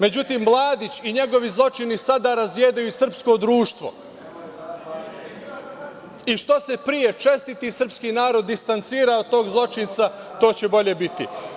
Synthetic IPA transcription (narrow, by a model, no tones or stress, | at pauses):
me̞d͡ʑut̪iːmːlˠaːd̪it͡ɕiɲe̞ɡo̞ʋizlˠo̞t͡ʃinisad̪aːɾazʋjeːd̪ajusr̩psko̞d̪ɾuːʃt̪ʋo̞̰ | iʃt̪o̞se̞pɾije̞t͡ʃe̞st̪it̪isr̩pskinaːɾo̞d̪ːist̪ant̪siːɾaod̪̚t̪o̞ːɡzlˠo̞t͡ʃint̪sa | t̪o̞ːt͡ɕe̞bo̞ʎe̞bit̪ḭ